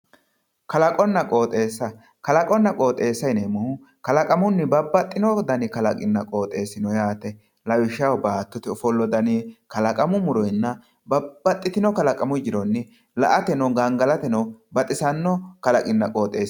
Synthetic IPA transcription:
kɐlɐkʼɔnːɐkʼoːt̪ʼeːsːɐ | kɐlɐkʼɔnːɐkʼo̞ːt̪ʼe̞ːsːɐjnemʊhʊ | kɐlɐkʼɐmʊnːɪbɐbːɐt̪ʼːɪnɔd̪ɐnɪkɐlɐ̰kʼɪnːɐkʼo̞ːt̪ʼe̞ːsɪnɔjaːt̪ɛ | lɐwɪʃɐwbaːt̪ːɔt̪ɪɔfɔlːɔd̪ɐnikɐlɐkʼɐmʊmʊɾɔjnːɐ | bɐbːɐt̪ʼːɪt̪ɪnɔkɐlɐkʼɐmʊd͡ʒɪɾɔnːɪ | lɐ̰ʔɐt̪ɛnɐɡɐaŋɡɐlɐt̪ɛnɐwbɐt̪ʼɪsɐnːɔkɐlɐkʼɪnːɐkʼo̞ːt̪ʼeːs

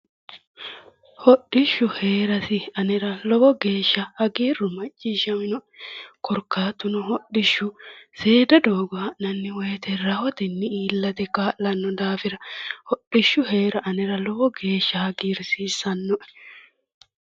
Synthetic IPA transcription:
hɔɗːɪʃːʊheːɾɐsɪɐnɛɾɐlɔbɔɡe̞ːʃːɐhɐɡiːrʊmɐt͡ʃʼːiːʃɐmɪnɔʔkʰɔɾkːaːt̪ːʊnʊɦɔɗːɪʃːʊse̞ːd̪ɐd̪oːɡɔɐnɐnːɪwɔjt̪ɛɾɐhɔt̪ɛnːɪiːlːɐt̪ɛkaːʔlɐnːɔd̪aːfɪɾɐhɔɗɪʃːʊɦeːɾɐʔɐnɛɾɐlɔbɔɡe̞ːʃːɐhɐɡiːɾsiːsːɐnːɔʔɛ

